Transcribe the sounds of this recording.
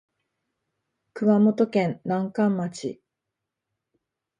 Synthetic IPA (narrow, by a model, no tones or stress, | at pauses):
kɯ̟βamo̞t̪o̞kẽ̞nnãŋkãmːat͡ɕḭ